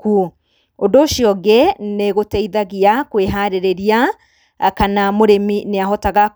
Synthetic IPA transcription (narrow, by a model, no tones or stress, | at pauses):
ku | ondoːʃiɔɡɛneɣotɛiðaɣiakweɦaɾeɾeɾia | kanamoɾemineaɦɔtaɣa